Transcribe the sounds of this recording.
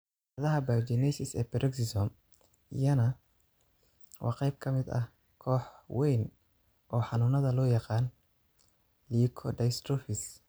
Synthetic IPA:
ɐðɐɦɐbad͡ʒinɛsɪsɛ̰ːpɛɾʔɛksɪsɔm | ʔḭjɐnɐ | wʔɑ̰ːqɑjb̚kʰɐmɪd̪ɐ̰ | kʰɔːħwɛjn | ʔɔːħɑnuːnɐðɐlɔːjɑqɑːn | liːkʰɔdɐjst̪ɾɔfɪs

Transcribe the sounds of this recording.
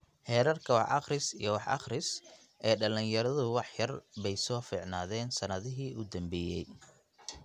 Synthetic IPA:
hɛːɾɐrkʰɐwɑħʔɑ̰χrɪsḭjɔwɑħʔɑ̰χrɪs | ʔɛːɖɐlɪnjɐɾɐðʊwɑħjɐrbɛjsɔːfiːʕna̰ːðɛːnsɐnɐðɪɦiːʊd̪ɐmbɛːjɛj

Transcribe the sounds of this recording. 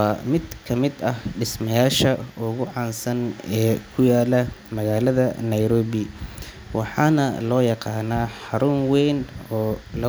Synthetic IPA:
mɪd̪kʰɐmɪd̪ɐhɖɪsmɐjaːʃɐʊɣʊʕɑnsɐnɛːkʰʊjaːlɐmɐɣaːlɐðɐnɐjɾɔːβɪ | wɑħɑːnɐ̰lɔːjɑqɑːnaːħɑɾʊnwɛjnɔːlɐ

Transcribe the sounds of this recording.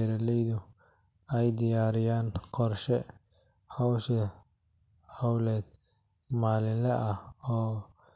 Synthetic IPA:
ɾɐlɛjðʊ | ɛjd̪ɪjaːɾɪjaːnqɔrʃɛ | hɔwʃɛ | hɔwlɛːd̪ | maːlɪlɛʔɐhɔː

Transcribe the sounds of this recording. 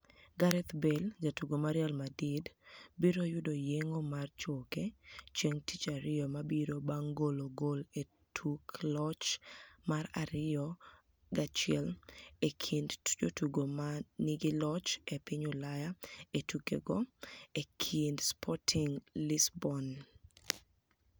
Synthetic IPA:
ɡaɾɛt̪beld͡ʒatuɡomaɾɪjalmadidbiɾojʊdojeŋomart͡ʃoket͡ʃeŋtit͡ʃaɾɪɔmabiɾobaŋɡoloɡole | tʰuklɔt͡ʃmaɾa̰ɾɪjɔ | ɡat͡ʃɪɛlekʰindd͡ʒotuɡomanɪɡɪlɔt͡ʃepɪɲolajaetukḛɡɔekʰindspʰɔtʰiŋlɪsbɔn

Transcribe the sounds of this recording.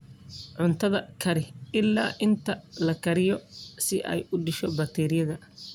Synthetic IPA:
ʕʊnt̪ʰɐðɐkʰɐɾɪɪlːaːʔɪnt̪ʰɐlɐkʰɐɾɪjɔsɪʔɛ̰jʊɖɪʃɔbɐk̚t̪ʰɛːɾɪjɐðɐ

